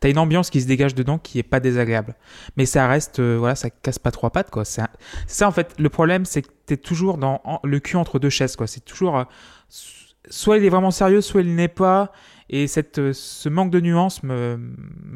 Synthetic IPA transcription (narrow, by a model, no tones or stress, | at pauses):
t̪yaynɑ̃bjɑ̃skʲis̬əd̪eɡaʒd̪əd̪ɑ̃kʲʰiɛpad̪ezaɡʁeablmɛsaʁɛst̪øvwalasakaspat̪χowapat̪kwasɛɛ̃sɛ̥saɑ̃fɛt̪ləpχɔblɛmsɛkət̪yɛt̪ʰuʒuʁd̪ɑ̃ɑ̃ləkʲyɑ̃t̪χəd̪øʃɛzkwasɛt̪ʰu̥ʒuʁø | s | swailɛvʁɛmɑ̃seʁjøswailnɛpa | esɛt̪øsəmɑ̃k̚d̪ənyɑ̃smə